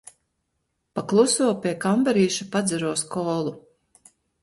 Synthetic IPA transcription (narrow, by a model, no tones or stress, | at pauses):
paklˠusuɔpʲiɛkambaɾiːʃapad̪zɛɾuɔskɔːlˠu